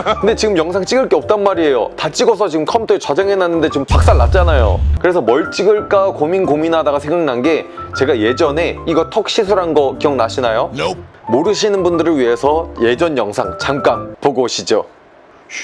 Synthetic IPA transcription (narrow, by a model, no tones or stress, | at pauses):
kɯnde̞t͡ɕiɡɯmjʌŋsʰaŋt͡ɕ͈iɡɯɭk͈eʌp̚t͈anmaɾie̞jo̰tat͡ɕ͈iɡʌs̬ʰʌt͡ɕiɡɯmkʰʌmtʰoet͡ɕwad͡ʑaŋɦenanːɯnde̞t͡ɕiɯmpʰak̚s͈aɭːat̚t͡ɕ͈anajo̰kɯɾe̞sʰʌmʌɭt͡ɕ͈iɡɯɭk͈akominkominɦadaɡasʰeŋɡaŋnanɡe̞t͡ɕe̞ɡaje̞d͡ʑʌne̞iɡʌtʰok̚ɕ͈ʰisʰuɾɦanɡʌkijʌŋnaɕʰinajomoɾɯɕʰinɯnbundɯɾɯɭɥiɦe̞sʰʌje̞d͡ʑʌnjʌŋsʰaŋt͡ɕamk͈anpoɡoɕʰid͡ʑo̰